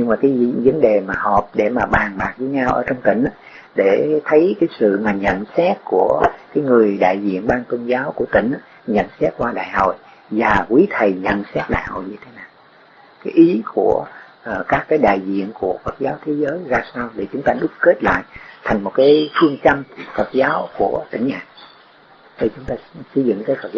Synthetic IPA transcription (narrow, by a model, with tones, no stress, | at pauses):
ɲɨ˧ŋmaː˨˩kaː˨˦jvə˨˦nɗe˨˩maː˨˩hɔ˨˩p̚ɗe˧˩maː˨˩ɓaː˨˩nɓaː˨˩k̚zəː˨˦jɲa˧wʔəː˧˩t͡ɕɔ˧ŋ͡mt̪ï˧˩ŋ̟˨˦ | ɗe˧˩t̪ʰə˨˦jkaː˨˦jsɨ̰˧˨maː˨˩ɲə̰˧˨nsɛ˦˥t̚ku˧˩əkaː˨˦jŋɨ˨˩əjɗa̰ː˧˨jzḭ˧˨ənɓaː˧ŋt̪o˧nzaː˨˦wku˧˩ət̪ï˧˩ŋ̟˧˦ | ɲə̰˧˨nsɛ˦˥t̚kwaː˧ɗa̰ː˧˨jho̰˧˨j | vaː˨˩kwi˨˦t̪ʰə˨˩jɲə̰˧˨nsɛ˦˥t̚ɗa̰ː˧˨jho̰˧˨jɲɨ˧t̪ʰe̥˨˦naː˨˩w | kaː˨˦jʔi˨˦ku˧˩ə˨˩ | kaː˦˥kːaː˨˦jɗa̰ː˧˨jzḭ˧˨ənku˧˩əfə˨˩t̚zaː˨˦wt̪ʰe˨˦zəː˨˦jzaː˧saː˧wɗe˧˩t͡ɕʊ˨˦ŋ͡mt̪aː˧ɗʊ˦˥k͡p̚ke˦˥t̚la̰ː˧˨jt̪ʰŋmo˨˩t̚kaː˨˦jt̪ʰwi˧əŋt͡ɕə˧mfə˨˩t̚zaː˨˦wku˧˩ət̪ï˧˩ŋ̟ha̰ː˧˨n | ɗe˨˩t͡ɕʊ˨˦ŋ͡mt̪aː˧sə˧jzɨ̰˧˨ŋkaː˨˦jfə˨˩